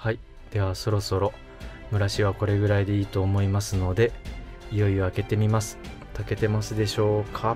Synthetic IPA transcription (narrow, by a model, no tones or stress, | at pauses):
hai | d̪̥e̞β̞aso̞ɾo̞so̞ɾo̞ | mɯ̟ɾaɕiβako̞ɾe̞ɡɯ̟ɾaid̪e̞iːt̪o̞ːmo̞imasɨno̞d̪e̞ | ijo̞io̞ake̞t̪e̞mʲimasɨ̥ | t̪ake̞t̪e̞masɨd̪e̞ɕo̞ːkʰa